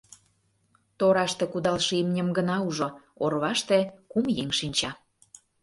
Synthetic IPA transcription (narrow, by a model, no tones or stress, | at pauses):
t̪oɾɑʃt̪ekud̪ɑlʃimnʲə̆mɡənɑuʒoorβɑʃt̪ekumjeŋʃinʲt͡ɕɑ